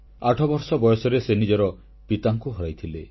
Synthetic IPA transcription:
aʈʰɔbɔɾsɔbɔjɔsɔɾesenid͡ʒɔɾɔ | pit̪aŋkuɦɔɾajt̪ʰile

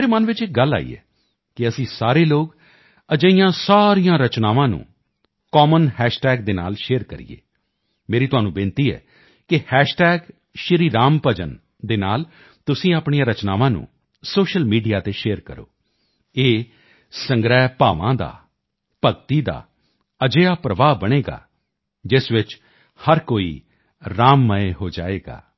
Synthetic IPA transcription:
mːɾeːmənʋɪt͡ʃɪk̚ɡəlːa̰ːḭːɛ̰ː | kɪəsĩːsaːɾeːloːɡ | əd͡ʒəijãːsaːɾijãːɾət͡ʃnaːʋãːnṵ̃ː | kɔːmənhɛːʃʈɛːɡ̚d̪eːna̰ːlʃeːɾkəɾḭḛː | meːɾiːt̪ʊɦaːnũːbɪːnt̪iːɛ̰ː | kɪhɛːʃʈɛːɡ | ʃɪɾiːɾaːmpəd͡ʒə̰n | d̪eːnaːl | t̪ʊsĩːaːpɳ̃ijãːɾət͡ʃnaːʋãːnṵ̃ː | soːʃəlmiːɖijaːt̪eːʃeːəɾkəɾo̰ː | eː | səŋɡɾɛːpaːʋãːd̪a̰ː | pəɡt̪iːd̪a̰ː | əd͡ʒeːaːpɾəʋaːbəɽ̃eːɡa̰ː | d͡ʒɪsʋɪt͡ʃ | həɾkoːḭː | ɾaːmːəeːɦoːd͡ʒa̰ːeːɡa̰ː

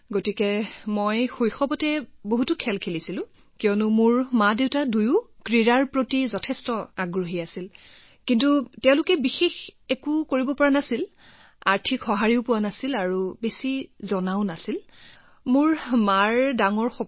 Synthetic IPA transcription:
ɡotikɛmojxujxɔbɔtɛboɦutʊkʰɛlkʰelisilʊ̃ | kijɔnʊmʊɹmadeʊtadujʊkɹiɹaɹpɹotizɔtʰɛstɔaɡɹuɦiasil | kintutɛʊ̃lʊkɛbixexekukoɹibɔpɔɹanasil | a̰ɹtʰikxɔɦaɹiʊpʊwanasilaɹubesizɔnaʊnasil | mʊɹmaɹdaŋɔɹxɔ

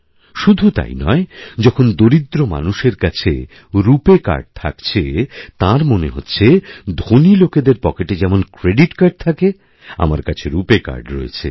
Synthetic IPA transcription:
ʃud̪ʱut̪a̰jnɔ̰ed͡ʑɔkʰond̪oɾid̪ɾoma̰nuʃeɾkat͡ɕʰḛ | ɾupeka̰ɾɖ̚t̪ʰa̰kt͡ɕʰet̪ãɾmoneɦotːɕʰed̪ʱoniloked̪eɾpɔkeʈed͡ʑɛmonkɾeɖiʈkaɾɖ̚t̪ʰake | a̰maɾkat͡ɕʰeɾupeka̰ɾɖɾo̰ḛt͡ɕʰḛ

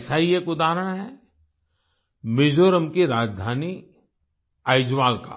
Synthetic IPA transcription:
saːiekʊd̪aːɾəɽ̃ɦɛ | mɪd͡ʒoːɾəmkiɾaːd͡ʒd̪ʱaːni | aɪd͡ʒʋaːlka̰ː

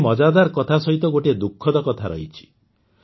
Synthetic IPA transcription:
mɔd͡ʒad̪aɾkɔt̪ʰasɔɦit̪ɔɡoʈied̪ukʰːɔd̪ɔkɔt̪ʰaɾɔ̰ɦit͡ʃʰi̥

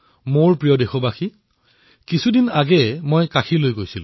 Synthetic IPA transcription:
moɹpɹijɔdexɔbaxi | kisʰudinaɡɛmojkaxʰilojɡojsilʊ̰̃

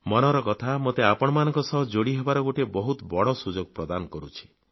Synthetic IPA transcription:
mɔnɔɾɔkɔt̪ʰamot̪eapɔɽ̃ɔmanɔŋkɔsɔɦɔd͡ʒoɽiɦebaɾɔɡoʈebɔɦut̪bɔɽɔsud͡ʒoɡ̚pɾɔd̪anɔkɔɾut͡ʃʰi̥

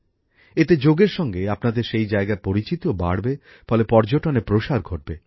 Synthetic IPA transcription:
et̪ed͡ʑoɡeɾʃɔŋɡeapnad̪eɾʃejd͡ʑaeɡaɾpoɾit͡ɕit̪oba̰ɽbe | fɔlepɔɾd͡ʑoʈonepɾoʃaɾɡʱoʈ̚be

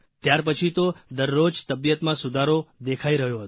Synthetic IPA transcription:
t̪jaɾpət͡ʃʰit̪od̪əɾːod͡ʒt̪əbjət̪mãsud̪ʱaɾod̪ekʰaiɾəɦjoɦət̪

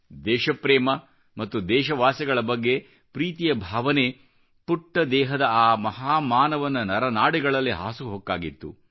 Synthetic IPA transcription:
d̪ɛːʃɐpɾɛːmɐ | mɐt̪ːud̪ɛːʃɐʋaːsɐɡɐɭɐbɐɡːe̞ | pɾiːt̪ijɐbʱaːʋɐne | puʈːɐd̪ɛːɦɐd̪ɐaːmɐɦaːmaːnɐʋɐnːɐnɐɾɐnaːɽiɡɐɭɐlːiɦa̰ːsuɦokːaːɡit̪ːṵ

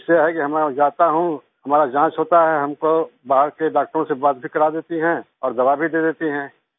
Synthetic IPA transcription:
ʃaɦɛkiɦɐmɛ̃d͡ʒaːt̪aɦũ | hɐmaːɾad͡ʒãːʃɦoːt̪aɦɛɦɐmkobaːɦəɾkeɖaːk̚ʈəɾõsebaːt̪̚bʱikɐɾad̪eːt̪iɦɛ̃ | ɔːɾd̪ɐʋabʱid̪eːd̪eːt̪iɦɛ̃ː

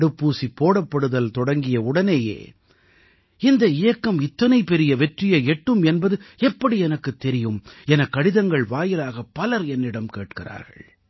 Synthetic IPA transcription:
ɽɯpːuːsipːoːɽɐpːɐɽɯðɐlt̪ɔɽɐŋɡɪjɐʊɽɐneːjḛː | ɪnd̪ɐɪjɐkːɐmɪt̪ːɐnɐɪpɛɾɪjɐʋɛʈrɪjɐɛʈːɯmɛnbɐðɯɛpːɐɽiɛnɐkːɯt̪ːɛɾɪjɯmɛnɐkːɐɽɪðɐŋɡɐɭʋaːjɪlaːɣɐpːɐlɐɾɛnːɪɽɐmkḛːʈkɪra̰ːɾɣɐ̰ɭ

